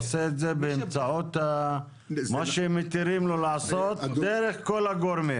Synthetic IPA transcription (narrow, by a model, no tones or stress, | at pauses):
seːt̪zebeːmt͡saot̪a | maʃeemet̪iɾimlolaːsot̪d̪eɾeχkolaɡoɾmi